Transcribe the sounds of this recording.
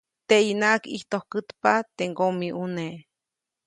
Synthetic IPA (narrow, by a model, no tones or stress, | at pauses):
t̪einakiht̪ohkɨt̪pat̪eŋɡomiʔune